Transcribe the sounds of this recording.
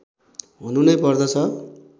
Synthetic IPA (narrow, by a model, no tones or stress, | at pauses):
ɦununʌjpʌrd̪ʌt͡sʰʌ